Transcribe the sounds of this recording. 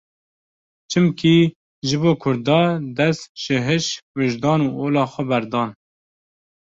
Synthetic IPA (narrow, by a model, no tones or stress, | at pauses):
t͡ʃʰɨmkʰi | ʒɨboːkʰʊɾd̪ɑːd̪ɛsʒ̥ɨɦɨʃwɨʒd̪ɑːnuːʔoːlɑːxʷɛbɛɾd̪ɑːn